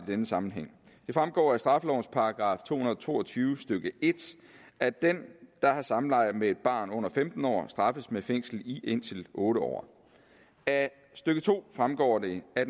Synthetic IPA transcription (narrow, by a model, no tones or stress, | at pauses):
id̥enəsɑ̈mn̩ɦeŋ̰ | d̥e̝fʁamɡ̥ɒ̰ːæsd̥ʁɑ̈fəlɒʊnspʰɑ̈ɡ̥ʁɑ̰̈ːft͡sʰo̝̰ːhunɐð̩ˠt͡sʰo̝̰ːɒt͡sʰyːʊsd̥øɡ̥əʔe̝d̥ | æd̥end̥ɑ̈hɑ̈sɑ̈mn̩lɑ̈ɪ̰ð̩ˠmee̝d̥b̥ɑ̰̈ːnɔ̽n̰ɐfemd̥n̩ɒ̰ːsd̥ʁɑ̈fəsmefeŋ̰sl̩iʔe̝n̰t͡sʰe̝lʔɔ̽ːɾəɒ̰ː | æ | sd̥øɡ̥ət͡sʰo̝̰ːfʁamɡ̥ɒ̰ːd̥e̝æ